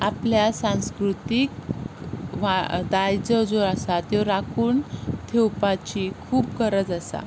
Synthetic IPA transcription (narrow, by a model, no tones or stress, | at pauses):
apljasãw̃skɾut̪ik | ʋad̪ajd͡zəd͡zoɾasat̪jɔɾakʰuːnt̪ʰewpat͡ɕikʰuːpkəɾət͡sasa̰